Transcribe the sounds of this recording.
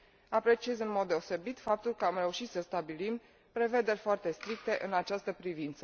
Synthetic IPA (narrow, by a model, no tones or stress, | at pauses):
apɾe̞t͡ʃiezɨnmo̞d̪̚ːe̞o̞se̞bit̪fap̚t̪ulkəamɾe̞uʃit̪səst̪abilim | pɾe̞ve̞d̪e̞rʲfoart̪e̞st̪ɾik̚t̪e̞ʔɨnat͡ʃast̪əpɾivint̪sə